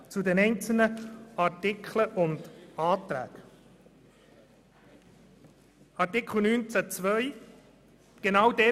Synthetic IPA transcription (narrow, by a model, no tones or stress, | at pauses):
t͡sudɛnɛɪnt͡sl̩nəɑɾtɪkʰləʔʊndɑːtɾæ̰ːk | ɑɾtɪkʰl̩nyːnt͡sæt͡svœʏ | ɡ̥enawdɛ